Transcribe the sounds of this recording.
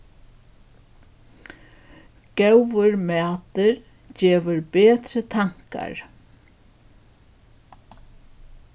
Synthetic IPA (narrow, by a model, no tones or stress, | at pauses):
ɡ̥ɛwʋəɾmæːt̪əɾ | d͡ʒeːʋəɾbeːt̪ɾət̪ʰaŋ̥ka̰ɹ